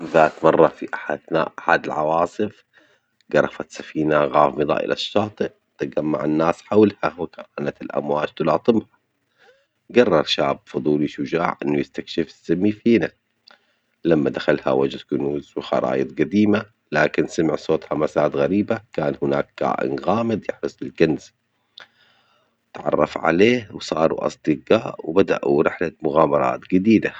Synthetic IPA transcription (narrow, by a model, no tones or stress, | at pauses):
ðaːt̪mɑrˤːɑfiʔaħanaːʔʔaħad̪ɪlʕɑ̰wɑːsˤɨf | ɡɑɾˤɑfat̪sḁfiːnaɣaːfmɨðˤa̰ːʔɪ̰lʔa̰ʃːɑːt̪ˤɨʔ | t̪ɪɡamːa̰ʕɪnːaːsħawlhawɪkaːnat̪ɪlʔa̰mwaːd͡ʒt̪ʊlɑːt̪ˤɨmha | ɡɑrˤːɑɾˤʃaːbfʊðˤuːliʃʊd͡ʒaːʕʔɪnːujɪst̪akʃɪfɪ̥sːamːifiːna | lamːad̪axalha̰wad͡ʒ̪kʊnuːzwxɑ̰ɾˤɑ̰ːjɨd̪ˤɡad̪iːma | laːkɪnsamɪʕsˤoːt̪ˤhamasaːd̪ɣaɾiːbakaːnhɪna̰ːk̚ːa̰ːʔɪ̰nɣaːmɪd̪jɪħɾɨsˤɪlkanz̥ | ɪt̪ʕɑ̰rˤːɑ̰fʕa̰leːhwsˤɑːɾˤṵʔɑ̰sˤd̪ɨɡaːʔwbad̪a̰ʔuɾɪħlamʊɣaːmɑɾˤɑ̰ːt̪ɡad̪iːd̪a